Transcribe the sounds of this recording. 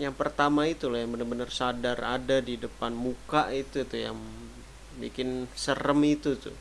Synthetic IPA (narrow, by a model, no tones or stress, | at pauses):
jaŋpərt̪amait̪ulahjaŋbənərbənərsadaradadidəpanmukaʔit̪ut̪uja̰ŋ | bḭkɪnsərəmit̪ut̪ʊ̰